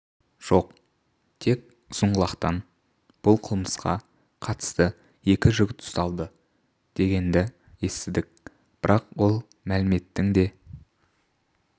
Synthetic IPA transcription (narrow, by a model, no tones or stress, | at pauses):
ʒ̥o̞q | t̪ʰe̞k | sʊɴʁəlˠɑqt̪ɑn | b̥ʊlˠqʰəlˠməsqɑ̰ | qʰɑt̪ə̥st̪ə | je̞kʲɪʒʏɡʲɪt̪ʰʊ̥st̪ɑlˠd̪ə | d̪̥e̞ɡʲe̞nd̪ɪ | je̞st̪ɪd̪ɪk̚ | b̥ɪɾʔɑqwo̞lˠ | mælɪme̞t̪ːɪŋd̪e̞